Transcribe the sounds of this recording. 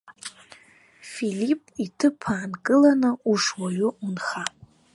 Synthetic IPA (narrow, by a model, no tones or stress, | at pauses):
filipʼitʰɨpʰaːnkʼɨlanɨuʂwaɥʊunχa